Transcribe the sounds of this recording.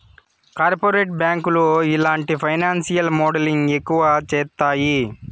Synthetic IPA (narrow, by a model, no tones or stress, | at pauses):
kaːɾpoɾeːʈ̚bjaːŋkuluilaːɳʈipʰɐjnaːnsijɐlmɔːɖɐliŋɡekːuʋɐt͡ʃɛːt̪ːaːji